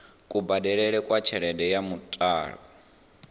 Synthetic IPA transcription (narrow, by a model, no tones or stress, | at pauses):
kʼubadɛɺɛɺɛkʼwat͡ʃʰɛɺɛdɛjamutʼa̰ːɺɔ